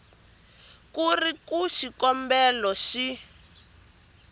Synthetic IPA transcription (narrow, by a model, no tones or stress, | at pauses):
kurikuʃikɔmbɛlɔʃi